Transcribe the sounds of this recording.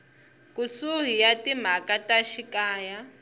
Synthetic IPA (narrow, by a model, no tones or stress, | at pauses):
kusuɦijatim̤akataʃikaːja